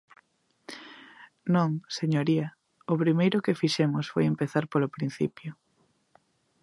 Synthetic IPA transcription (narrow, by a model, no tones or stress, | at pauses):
nõŋseɲoɾiɐ | ʊpɾimejɾʊkefiʃɛmʊsfojempeθaɾpolopɾin̟θḭpjʊ